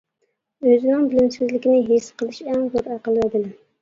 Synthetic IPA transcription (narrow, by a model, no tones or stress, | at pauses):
øzɪnɪŋbɪlɪmsɪzlɪkʲinɪɦesqʰəlˠɪʃɛŋboɾɑqəlˠɛd̪ɪlɪ